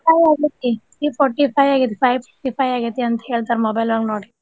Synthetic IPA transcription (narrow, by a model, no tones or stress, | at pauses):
pʰajaːɡit̪ːi | iːpɔʈipʰajaːɡit̪̬ːi̥pʰajpʰoʈipʰajaːɡit̪ːiɐnt̪ɐ̥ɦeːɭt̪aːɾmobɐjlʋaɡnoːɽi